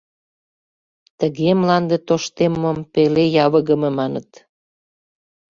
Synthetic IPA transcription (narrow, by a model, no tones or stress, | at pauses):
t̪əɣemlɑnd̪et̪oʃt̪emːompelejɑβəɣə̆mĕmɑnət̪